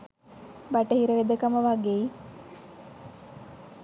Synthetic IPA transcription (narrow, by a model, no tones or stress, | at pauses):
baʈəhiɾəʋed̪əkaməʋaɡei